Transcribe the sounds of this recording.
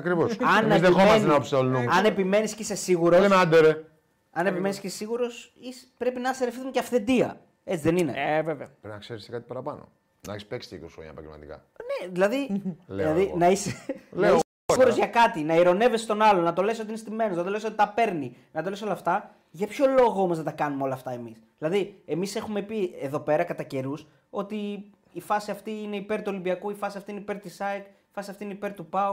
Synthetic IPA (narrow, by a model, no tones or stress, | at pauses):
ɐkɾivosɐnezðexommɐnenɐopsolnuɐnepime̞niscese̞siɣuɾoeɐnd̪eɾe | ɐne̞pime̞niscesesiɣuɾo̞sispɾe̞pinɐseɾefθunceɐfθe̞d̪iɐ̰ | e̞t͡siðe̞nine̞̰eveveɐpɾnɐkseɾist̪ekɐt̪i̥pɐɾɐpɐno̰ | nɐɐ̰çespeksi̥t̪ḛkosxɾoɲɐ̰pɐ̰ɟḛlmɐ̰t̪ikɐ̰ | neðilɐðilelɐðinɐisenlɐ | ɣuɾozʝɐkɐt̪inɐiɾo̞ne̞ve̞sst̪o̞nɐlo̞nɐt̪o̞leso̞t̪iinest̪ime̞noznɐt̪o̞le̞sot̪it̪ɐpe̞ɾninɐt̪o̞le̞solɐft̪ɐ | ʝɐpço̞lo̞ɣoomo̞znɐt̪ɐkɐnumeo̞lɐːft̪ɐe̞misðilɐðie̞mise̞xume̞pie̞ðo̞pe̞ɾɐkɐt̪ɐce̞ɾus | o̞t̪iː | fɐsiɐft̪iine̞ipe̞ɾt̪uo̞limbiɐkuifɐsiɐft̪ineipeɾt̪isɐjkifɐsiɐft̪iineipe̞ɾt̪upɐu